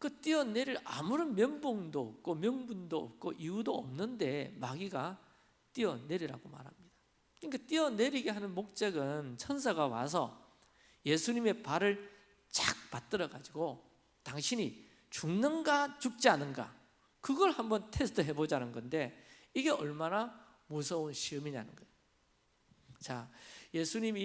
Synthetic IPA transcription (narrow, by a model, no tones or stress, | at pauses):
kɯt͈iʌne̞ɾiɾamuɾɯnmjʌnboŋdoːp̚k͈omjʌŋbundoʌ̰p̚k͈oʔiudoʌ̰mnɯnde̞maɡiɡa | t͈iʌne̞ɾiɾa̰ɡoma̰ɾɦamɲid̥ḁ | kɯnik͈at͈iʌne̞ɾiɡe̞ɦanɯnmok̚t͡ɕ͈eɡɯnt͡ɕʰʌns̬ʰaɡawa̰sʰʌ̰ | je̞sʰuɲime̞paɾɯɭ | t͡ɕak̚p͈at͈̚ɯɾʌɡad͡ʑiɡo | taŋɕʰiɲi | t͡ɕuŋnɯnɡat͡ɕuk̚t͡ɕ͈ianɯnɡa̰ | kɯɡʌɭhambʌntʰesʰɯ̥tʰɯɦe̞bod͡ʑanɯnɡʌnde̞iɡe̞ʔʌɭmana | mosʰʌunɕʰiɯmina̰nɯnɡʌeo | t͡ɕaje̞sʰuɲimi